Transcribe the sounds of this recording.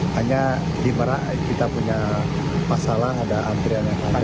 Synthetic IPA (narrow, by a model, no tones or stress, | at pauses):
haɲa | diməɾaʔ | kit̪apuɲa | masalaɦadaʔant̪ɾianaaa